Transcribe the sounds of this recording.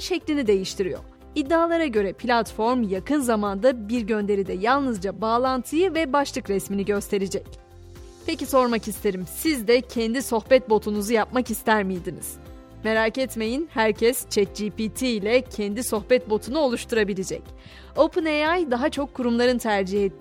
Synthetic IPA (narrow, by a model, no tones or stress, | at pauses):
ʃɛclʲinid̪e̞jiʃt̪ʰiɾijo̰ɾ | id̪ːaːlˠaɾaɟø̞ɾɛpʰlʲat̪fo̞ɾmjakʰɯnzamand̪abiɾɟø̞nd̪e̞ɾid̪ɛjalˠnɯzd͡ʒabaːlˠant̪ʰɯjɯvɛbaʃlˠɯkɾɛsminiɟø̞st̪ʰe̞ɾid͡ʒɛc̚ | pʰeciso̞ɾmakist̪ʰe̞ɾimsizd̪ɛcʰɛnd̪iso̞xbɛt̪̚bo̞t̪ʰunuzujap̚makist̪ʰæɾmijd̪inḭz̥ | me̞ɾaːkɛt̪me̞jinhæɾcʰɛst͡ʃʰɛt̪̚d͡ʒipit̪ʰilʲɛcʰɛnd̪iso̞xbɛt̪̚bo̞t̪ʰunuo̞lˠuʃt̪ʰuɾabilʲid͡ʒɛ̰c | opʰɯneajd̪aɦat͡ʃʰo̞kʰːuɾumlˠaɾɯnt̪ʰæɾd͡ʒihɛ